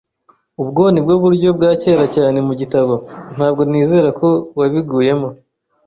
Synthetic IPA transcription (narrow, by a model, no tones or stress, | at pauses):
ubɡo̞ːnibɡo̞βuɾɟo̞b̚ɡaːce̞ːɾacaːne̞muɟitaβo̞n̥haːb̚ɡo̞niːze̞ɾakʰo̞waβiɡuːje̞mo̞